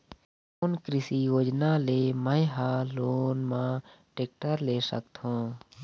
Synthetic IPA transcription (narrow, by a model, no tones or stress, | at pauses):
oːnkɾɪsijoːd͡ʒnaleːmə̃jɦaloːnmãː | ʈeːk̚ʈəɾleːsə̰kt̪ɦõː